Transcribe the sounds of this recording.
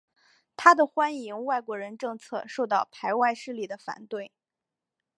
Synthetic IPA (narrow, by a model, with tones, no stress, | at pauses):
t̪ʰa˥d̪ə˨xwa˥ni˧˥ŋwa˥˩ɪkwɔ˧˥ɻə˧˥nʈ͡ʂɤ˥˧ŋt͡sʰɤ̰˥˧ʂo˥˧ʊt̪ɑ˥˩ʊpʰa˧˥ɪwa˥˧ɪʂɻ̩˥˧li˨˩d̪ə˦fa̰˨˩nt̪we˥˩ɪ